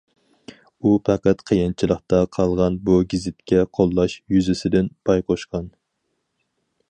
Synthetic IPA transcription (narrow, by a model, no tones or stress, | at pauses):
upʰæqæt̪qʰəjɑnt͡ʃʰilˠəχt̪ɑqʰɑlˠʁɑnbuɡʲizɪt̪kʲɛqʰolˠːɑʃjyzɪsɪd̪ɪnpʰɑjqʰoʃqɑn